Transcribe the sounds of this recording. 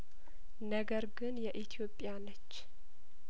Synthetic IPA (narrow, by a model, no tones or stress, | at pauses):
nəɡəɾɡɨnjɛʔit̪ʰijo̞pʼjanət͡ʃː